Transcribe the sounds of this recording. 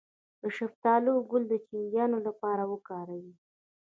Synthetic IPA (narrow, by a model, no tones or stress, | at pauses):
d̪əʃaft̪ɑloɡʊld̪ət͡ʃiŋɡ̪jɑnolapɑɾawəkɑɾawi